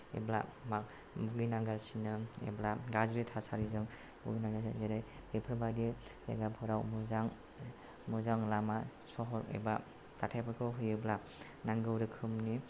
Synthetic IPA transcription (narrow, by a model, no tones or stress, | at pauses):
ḛbla̰mak̚ | buɡinaɡasinɯḛblaɡazɾitʰasaɾizɯŋ | buɡinaɡazeɾaj | epʰɯɾbadi | ḛɡapʰɔɾawmuzaŋ | muzaŋlama | sɔɦɔɾḛba | tatʰapʰakʰɯɦɯjɯbla | naŋɡɯwɾɯkʰɯmni